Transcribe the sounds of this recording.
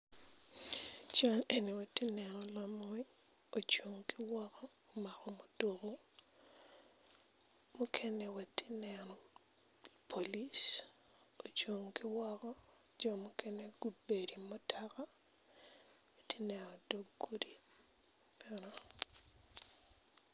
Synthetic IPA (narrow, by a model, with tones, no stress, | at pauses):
t͡ʃa˦ne˨ni˨wa˨ti˦nɛ˨nɔ˨lamɔ˦i˦ | o˨t͡ʃo˨ŋkɪ˦wɔ˦kɔː˦˨ma˨ɾɔ˨mo˨do˨ko˦ | mu˦kʰɛ˦nɛ˨wa˨ti˦nɛɾɔ˨ | pʰo˨li˦s | o˨t͡ʃo˨ŋkɪ˦wɔ˦kɔ˦ | d͡ʒɔ˨mu˦kʰɛ˦nɛ˦ɡ̥u˦d̚be˨ɾi˨mo˦tʰaka˦ | wa˨ti˦nɛ˨ɾɔ˨do˦ɡɡu˦di˨ | pɛ˦ɾɔ